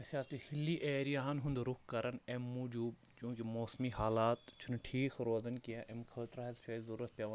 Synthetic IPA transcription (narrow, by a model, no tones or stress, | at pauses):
ɐsaːst̪uhilːiːʔeːɾijaːɦɐnɦũnd̪ɾʊkʰkɐɾɐnemːud͡ʒuːb | t͡ʃũːkimoːsmiɦaːlaːt̪t͡ʃʰunʈʰiːkʰɾoːzɐnkijaʔemkʰəːt̪ɾaɦɐzt͡ʃʰɐzɐɾuːɾɐt̪̚pʲɐʋ